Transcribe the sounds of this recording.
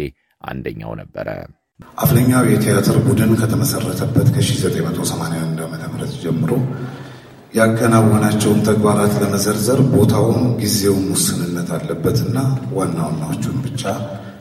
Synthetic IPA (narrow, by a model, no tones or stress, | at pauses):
e | ʔa̰nd̪əɲːa̰wnəbːəɾə̰ | ʔafləɲːawjɛt̪ʰejat̪ʰəɾbud̪ɨnkʰət̪ʰəməsərːət̪ʰəbːət̪kʰəʃizət̪ʼəjmət̪ʰo̞səmanejawand̪amət̪ʰəβɨɾət̪d͡ʒɛmːɨɾo̞ | jɛakʰːənaβhonat͡ʃːɛwnt̪ʰəɡbaɾat̪ləməzəɾzəɾbo̞t̪ʰawunɡize̞wnwʊsɨnɨnːət̪ʰalːəbːət̪ɨnːawanːawanːawot͡ʃːunbɨt͡ʃʼːa